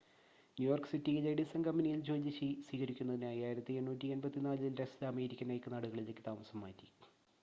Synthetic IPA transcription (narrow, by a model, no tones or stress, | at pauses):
njujoːrksitːiilɐjɽisɐŋɡɐmːɐnijild͡ʑo̞ːliɕiswiːɣɐɾikʲːunːɐðinaːjiaːjiɾɐt̪ːɨenːuːtːie̞nbɐt̪ːinaːlɨildekslɐme̞ːɾikʲːɐnɐjkːɨnɐɽuɣɐɭilekːɨt̪aːmɐsɐmːa̰ːtːi̥